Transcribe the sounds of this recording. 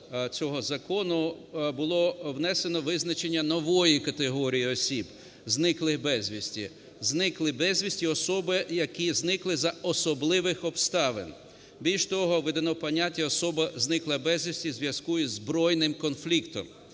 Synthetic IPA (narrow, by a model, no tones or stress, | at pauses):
t͡sʲɔɦɔzɐkɔnʊbʊlˠɔwnɛsenɔʋɪznɐt͡ʃenʲːɐnɔʋɔjikɐt̪eɦɔɾʲijiɔsʲib | znɪklˠɪxbɛzʲʋʲisʲtʲḭ | znɪklˠɪbɛzʲʋʲisʲtʲiɔsɔbɪjɐkʲiznɪklˠɪzɐɔsɔblˠɪʋɪxɔbst̪ɑʋḛn | bʲilʲʃt̪ɔɦɔʋɪd̪ɐnɔpɐnʲatʲːɐɔsɔbɐznɪklˠɐbɛzʲʋʲisʲtʲizʋjɐskujʊzbɾɔjnɪmkɔnflʲikt̪ɔm